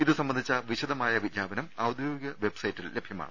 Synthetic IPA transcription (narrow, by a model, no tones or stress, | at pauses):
iðɨsɐmbɐnd̪ʱit͡ɕːɐʋiɕɐðɐmaːjɐʋid̪ɲaːbɐnɐmɐwd̪ʱjoːiɡɐʋe̞bsɐjitːille̞bʱjɐma̰ːɳɨ